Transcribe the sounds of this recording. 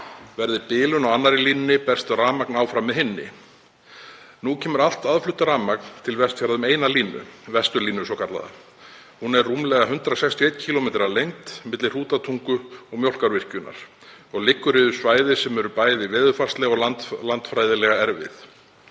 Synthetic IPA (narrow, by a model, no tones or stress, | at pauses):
vɛɾðɪpɪːlʏnɔwanːaɾɪliːnnɪpɛ̥st̪raːmaknawfɾamːɛðɦɪnːɪ̰ | nucʰɛːmʏɾal̥t̪aðflʏht̪ʏraːmak̚nt̪ʰɪlvɛst̪fjaɾaðʏmeːjnaliːnʏ̰vɛst̪ʏɾliːnʏsɔwkʰaɾla̰ða̰ | hunɛrrumlɛɣaɦʏnt̪ɾasɛkst̪jɔejt̪cʰiːlɔmɛːt̪ɪɾalejŋt̪mɪt̪lɪr̥uːt̪at̪ʰuŋkʏɔɣmjowl̥kaɾvɪr̥cʏna̰ɾ̥ | ɔɣlɪkːʏɾɪðʏ̥svaːjðɪsɛmɛɾʏpaːjðɪvɛːðʏfar̥st̪lɛɣɔɣat̪lant̪fɾaːjðɪlɛɣaɛɾvɪ̰θ